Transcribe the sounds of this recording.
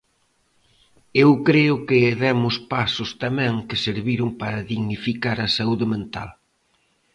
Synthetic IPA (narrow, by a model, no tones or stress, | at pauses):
ewkɾeʊkɪːðɛmʊspasʊst̪amɛ̃ŋkɪseɾβiɾʊŋpaɾɐðiɣnifikaɾɐsauðɪmẽnt̪a̰l